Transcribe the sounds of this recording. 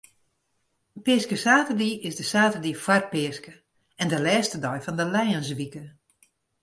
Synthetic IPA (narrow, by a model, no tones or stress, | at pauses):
pɪəskəsaːtərdiɪsdəsaːtərdifwar̚pɪəskə | ɛndəlɛːstədɔjfɔndəlɛjəns̬ʋikə